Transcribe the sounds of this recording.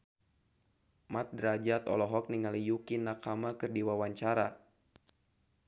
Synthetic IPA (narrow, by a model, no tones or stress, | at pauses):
mat̪̚dɾad͡ʒat̪ɔ̰lɔɦɔk̚niŋalijukinakamakɨrdiwawaɲt͡ʃaɾa